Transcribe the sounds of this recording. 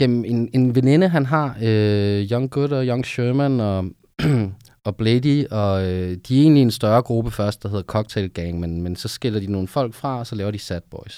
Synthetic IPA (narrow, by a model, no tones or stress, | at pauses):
emene̝nʋene̝nəɦænɦɑ̈øjɒŋɡ̥od̥ɒ̽jɒ̽ŋɕøːmænɒ̽ | b̥lediɒ̽ød̥iæɐe̝̰ːnliensd̥ɶɐɡ̥ʁub̥əfɶɐsd̥d̥ɑ̈he̝ð̞̰ˠɐkʰɒ̽ɡ̥̚t͡sʰelɡ̥eŋmenmensɒ̽sɡ̥elɐd̥ino̝ːn̩fɒ̽l̰ɡ̥fʁɑ̈ɒ̽sɒlɛːʊɐd̥isæd̥̚b̥ɒɪs